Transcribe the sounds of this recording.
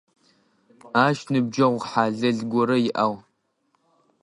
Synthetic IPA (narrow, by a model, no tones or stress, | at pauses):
aːʃnɨb̚d͡ʒɐʁʷħaːɮɐɮɡʷɔɾɐjɪʔaːw